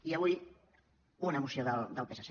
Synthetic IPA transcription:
iəβuj | unəmusioðəld̪əlˠpesəs

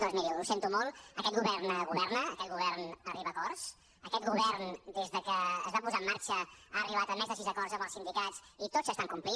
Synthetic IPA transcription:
d̪ozmiliusent̪umɔlˠəkɛt̪̚ɣuβɛrnəɣuβɛrnəːkɛt̪̚ɡuβɛrnəriβəːkɔrs | əkɛt̪̚ɡuβɛrnd̪ezðəkəːzβapuzamːaɾt͡ʃəaəriβ̞at̪əmɛzðəsizəkɔrzəmbəlˠsind̪ikatt͡sit̪oz̥əst̪aŋkumpli

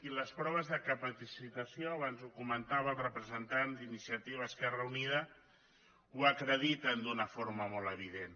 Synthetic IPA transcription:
iləspɾɔβ̞əzðəkəpət̪isit̪əsioaβanzukumənt̪aβəlˠrəpɾəzənt̪and̪inisiət̪iβəːskɛrəuniðə | wakɾəðit̪ənd̪unəfoɾməmɔlˠəβ̞iðen

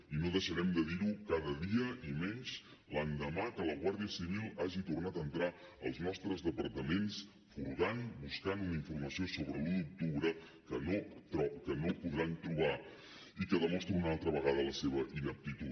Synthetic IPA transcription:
inoðəʃəɾɛmd̪əðiɾukaðəðiəimɛɲt͡ʃ | land̪əmakələɣwaɾðiəsiβilˠaʒit̪urnat̪aənt̪ɾa | əlˠznɔst̪ɾəzðəpəɾt̪əmens | fuɾɣanbuskanunəiɱfuɾməsiosoβɾəlud̪uk̚t̪uβɾə | kənot̪ɔkənopuðɾant̪ɾuβa | ikəðəmɔst̪ɾiunalˠt̪ɾəβəɣaðələseβəʔinəp̚t̪it̪u

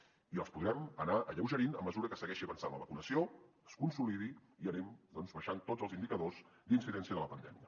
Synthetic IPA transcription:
iə̰lˠspuðɾɛmənaʔəʎəwʒəɾinəmːəzuɾəkəsəɣɛʃiəβənsanlə̰βəkunəsio | əskunsuliðiiənɛmd̪ɔnzβəʃant̪od͡zəlˠzinikəðoz | d̪insiðɛnsiəðələpənd̪ɛ̰miə

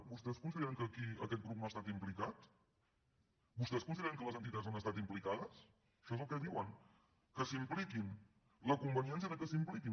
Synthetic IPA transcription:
bust̪ɛskunsiðeɾəŋkəkiə̰kɛt̪̚ɡɾup̚noast̪at̪implikat̪ | bust̪ɛskuns̬iðeɾəŋkələzənt̪̬it̪azanəst̪at̪implikaðəs | ʃɔezəlˠkɛðiwəŋ | kəsimplikin | ləkumbəniɛnsjəðəkəsimplikin

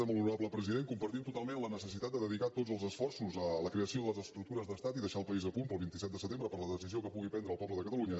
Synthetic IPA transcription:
ɛməlunuɾaβləpɾəziðeŋkumpəɾt̪imt̪ut̪alˠmẽnlənəsəs̬it̪at̪d̪əðəðikat̪otzəlˠzəsfɔrsuzələkɾeəsioðələzəst̪ɾuk̚t̪uɾəzðəst̪at̪iðəʃaəlˠpəizəpunpəlˠβint̪isɛt̪̚d̪əsət̪embɾəpəɾləðəsiziokəpuɣ̞ipɛnd̪ɾəlˠpɔβləðəkət̪əluɲə

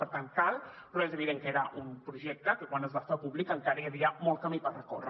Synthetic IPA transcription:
pəɾt̪aŋkalˠpɾɔezəβiðeŋkəeɾəʔumpɾuʒɛk̚t̪əkəkwanəzβasfapuβlikəŋkaɾəjəβɾiəmɔlˠt̪kamipəlrəko̰rə

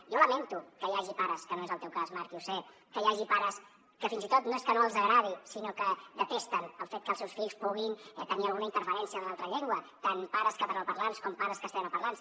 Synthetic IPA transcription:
joləment̪ukəjaʒipaɾəskənoezəlˠt̪ɛwkazmaɾkiusɛ | kəjaʒipaɾəs | kəfinzit̪ot̪noeskənoəlˠzəɣɾað̞isinokəd̪ət̪ɛst̪ənəlˠfet̪kəlˠsewsfiʎspuɣinɛt̪əniəlˠɣunəint̪əɾfəɾɛnsiənlalˠt̪ɾəʎeŋɡwət̪anpaɾəskəβəɾawpəɾlanskɔmpaɾəskəst̪ɛməpəɾlans

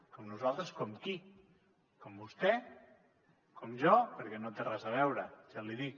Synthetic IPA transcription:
kɔmnuzalˠt̪ɾəskɔmki | kɔmbust̪ɛ | kɔmʒɔpəɾkɛnot̪erazəβ̞ɛwɾəʒ̥aliðik

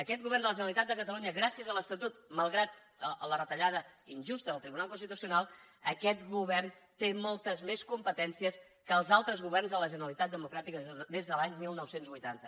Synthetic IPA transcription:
əkɛt̪̚ɣuβɛrnd̪ələʒənəlit̪at̪d̪əkət̪əluɲəɣɾasiəzələst̪ət̪ut̪məlˠɣɾat̪̚ | əələrət̪əʎað̞əinʲʒust̪əðəlˠt̪ɾiβunalˠkunst̪it̪usiunalˠ | əkɛt̪ɣuβɛrnt̪emɔlˠt̪əzmeskumpət̪ɛnsiəs | kəːlˠzalˠt̪ɾəzɣuβɛrnzðələʒənəlit̪at̪̚d̪əmukɾat̪ikəd̪ezðəlaɲmilˠnɔwsenzβujt̪ant̪ə

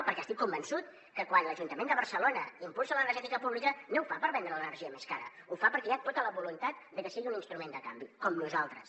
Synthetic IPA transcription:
pəɾkɛəst̪ikːumbənsut̪ | kəkwanləʒunt̪əmẽnd̪əβəɾsəlonə̰impulˠsələnəɾrʒɛt̪ikəpuβlikənowfapəɾβɛnd̪ɾələnərʒiəmeskaɾə̰ | ufapəɾkɛjat̪ot̪ələβulunt̪at̪̚d̪əkəsiɣiuninst̪ɾumend̪əkambikɔmnuzalˠt̪ɾəs

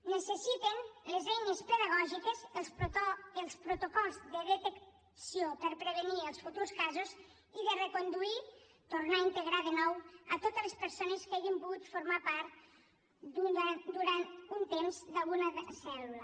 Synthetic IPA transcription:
nəsəsit̪enlezɛjnespəðəɣ̞ɔʒikez | əlˠspɾot̪okɔlˠzðəðet̪ek | siopəɾpɾəβ̞eniəlˠsfut̪uɾskazoz | iðərekond̪ui | t̪uɾnaint̪eɣɾaðenɔwət̪ot̪elespəɾsoneskeʒimpuɣut̪foɾmapaɾt̪ | d̪ud̪uɾant̪unt̪emzðalˠɣunəðeləsɛlulə

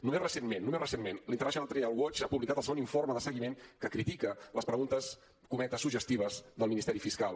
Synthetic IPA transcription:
numezrəsenmenːumesrəsenmenlint̪əɾɛʃonalt̪ɾealˠwɔt͡ʃapuβlikat̪əlˠsəɣoniɱforməðəsəɣimeŋkəkɾit̪ikələspɾəɣunt̪əs | kumɛt̪əsːuʒəst̪iβ̞əzðəlminist̪ɛɾifiskalˠ

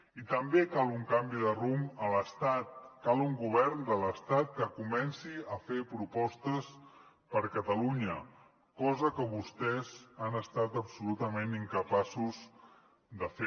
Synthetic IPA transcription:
it̪əmbekalˠuŋkambiðərumələst̪at̪̚kalˠuŋɡuβ̞ɛɾnd̪ələst̪at̪̚kəkumɛnsiəfepɾupɔst̪əs | pəɾkət̪əluɲə | kɔzəkəβust̪ɛzanəst̪at̪əpsulut̪əmeniŋkəpasuz | d̪əfe

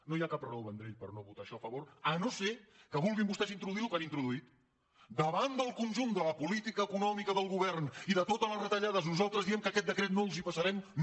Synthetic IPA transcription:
nojakaprɛwβənd̪ɾeʎpəɾnoβut̪aʃɔfəβoɾənosekəβ̞ulˠɣimbust̪ɛzint̪ɾuðuilukanint̪ɾuðuit̪ | d̪əβand̪əlˠkunʲʒund̪ələpulit̪ikəːkunɔmikəðəlˠɣuβɛrniðət̪ot̪ələrət̪əʎaðəznuzalˠt̪ɾəzðiɛmkəkɛt̪̚d̪əkɾet̪̚nolˠzipəsəɾɛm

